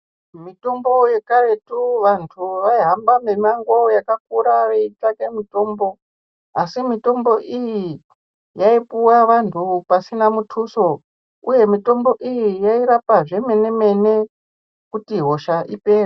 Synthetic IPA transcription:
mito̞mbo̞je̞kare̞tuʋantʰuʋaiɦambamemaŋɡwojakak̚uɾaʋeitakemito̞ːmbo̞ | asimito̞mbo̞ʔiji | jaipuwaʋantʰupasinamutʰuso̞ | ṵje̞mito̞mbo̞ʔijijaiɾapaʐe̞me̞ne̞me̞ne̞ | kutiɦo̞ʃaʔipe̞ːra

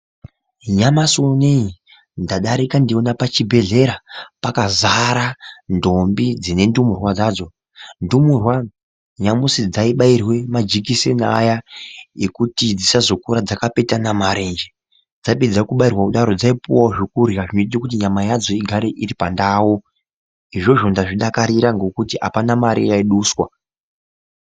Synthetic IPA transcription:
ɲamasonei | ndaɗaɾikandionapat͡ʃibʱe̞ɮe̞ɾapakazaɾando̞mbid͡zine̞ndumurwad͡zad͡zo̞ | ndumurwa | ɲamusid͡zaiɓairwe̞mad͡ʒikisenajaekutid͡zisazo̞kuɾad͡zakape̞tanamaɾe̞nd͡ʒe | d͡zaiped͡zakuɓairwakuɗaɾo̞d͡zaipuwawoʐikurjaʐinotitikutiɲamajad͡zo̞iɡʱaɾe̞ʔiɾipandaːwo | iʐo̞ʐo̞ndaʐiɗakaɾiɾaŋɡo̞kutia̰panamaɾḭjaiɗuːswa

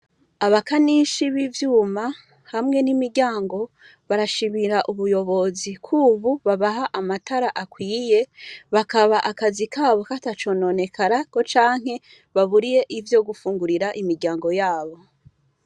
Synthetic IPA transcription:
aβakaniʃiβivjuːma | hamŋe̞nimiɾɟaːŋɡo̞ | βaɾaʃimiɾaʔuβujo̞βo̞zikʰuβuβaβaɦaʔamataɾaʔakwiːje̞βakaβaʔakazikʰaːβo̞katat͡ʃo̞no̞ne̞kʰaɾako̞t͡ʃaːŋ̥he̞ | βaβuɾije̞ʔivjo̞ɡufuːŋɡuɾiɾaʔimiɾɟaːŋɡo̞jaːβo̞

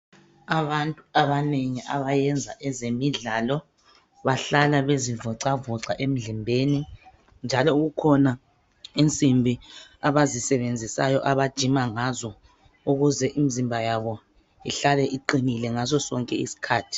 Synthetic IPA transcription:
aβantʼuaβaneŋiʔaβajɛnd͡zʱa̰ʔɛzemiɮaːlɔ | βaɬalaβezivɔǀavɔǀaʔem̩ɮimbʱeni | nd͡ʒʱalɔuɣukʰɔna | int͡sʼimbʱiaβazisɛβend͡zʱisajɔʔaβad̥ʒ̥ʱimaŋazɔ | uɣuzɛʔimizimbʱajaβɔ | iɬalɛʔiǃinilɛŋazɔsɔŋkʼɛḭsi̥kʰaːtʰi̥

